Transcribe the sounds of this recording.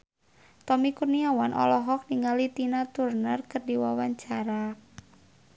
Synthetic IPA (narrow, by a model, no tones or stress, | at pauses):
t̪ɔmikurniawanʔɔ̰lɔɦɔk̚niŋalit̪inat̪urnərkərdiwawaɲt͡ʃaɾa